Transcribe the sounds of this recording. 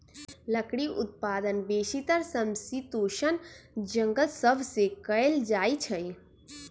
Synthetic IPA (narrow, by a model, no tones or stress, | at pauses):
ləkɽiʔʊ̰t̪̚paːd̪ənbeːʃit̪əɾsəmsit̪uːʃənd͡ʒə̃ŋɡəlsəbʱsekəeld͡ʒaːit͡ʃʰəj